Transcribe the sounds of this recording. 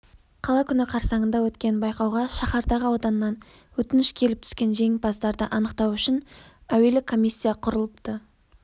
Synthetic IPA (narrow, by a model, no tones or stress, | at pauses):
qʰɑlˠɑkʲʰʏnɪqʰɑɾsɑɴənd̪ɑwɵt̪kʲe̞nbɑjqɑwʁɑʃɑχɑɾd̪ɑʁəɑwd̪ɑnːɑn | wɵt̪ɪnɪʃkʲʰe̞lɪp̚t̪ʰʏ̥skʲe̞nʒe̞ŋbɑsd̪ɑɾd̪əʔɑnəqt̪ɑwʏʃɪnæwe̞lɪkʰːo̞mijsʲːijɑqʰʊɾəlˠəpt̪ə